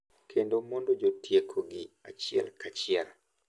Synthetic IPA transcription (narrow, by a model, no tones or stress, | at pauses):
kʰendomondod͡ʒotʰjekʰoɡɪa̰t͡ʃɪɛ̰lkat͡ʃɪɛl